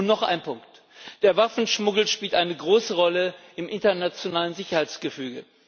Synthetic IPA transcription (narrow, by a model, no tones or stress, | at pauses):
nɔχʔa̰ɪnpʰʊŋkt | d̥eːɐvafn̩ʃmʊɡl̩ʃpiːltʔaɪnəɡʁoːsəʁɔləʔɪmʔɪntɐnat͡sjonaːlənzɪçɐhaɪt͡sɡ̥əfyːɡə